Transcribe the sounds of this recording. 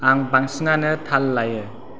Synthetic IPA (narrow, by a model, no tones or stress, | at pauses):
aŋbaŋsiŋanɯt̪ʰalːajɯ